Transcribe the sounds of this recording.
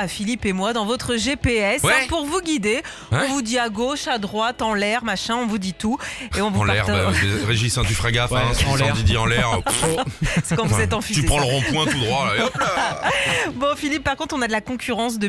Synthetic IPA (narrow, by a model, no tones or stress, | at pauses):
afilipemwad̪ɑ̃vɔt̪χəʒepeɛswapuʁvuɡʲid̪e | ɔ̃vud̪iaɡoʃad̪ʁwat̪ɑ̃lɛʁmaʃɛ̃ɔ̃vud̪it̪ueɔ̃vũlpaɛʁaeʁeʒisɛ̃d̪yfχaɡafɛ̃sɔ̃d̪id̪iɑ̃lɛʁ | skɑ̃vuuzɛt̪ɑ̃fyt̪ypχɑ̃ləʁɔ̃pwɛ̃t̪ud̪ʁwaa | bɔ̃filipːaʁkɔ̃t̪χɔ̃nad̪əlakɔ̃kʲyʁɑ̃s̬d̪ə